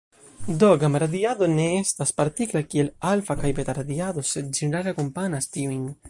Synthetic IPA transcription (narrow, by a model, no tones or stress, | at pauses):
d̪oɡamaɾaðiaðoneest̪aspaɾt̪iklakielalfakajbet̪aɾaðiaðosed̪̚d͡ʒeneɾalakompanast̪iwiŋ